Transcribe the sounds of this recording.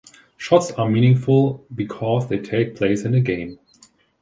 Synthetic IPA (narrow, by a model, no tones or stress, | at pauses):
ʃɔtsəmĩnɪ̃ŋfʊl̩ˠbɨkʰɔzðeɪtʰeɪk̚pʰl̥eɪsɨ̃nɨɡẽɪ̃m